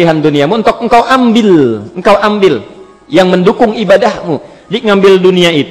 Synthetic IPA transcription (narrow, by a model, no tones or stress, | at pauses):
iɦanduniamuənt̪ʊk̚əŋkawʔambɪləŋkawʔambɪl | jaŋməndukʊŋibadahmu | diŋambɪlduniait̪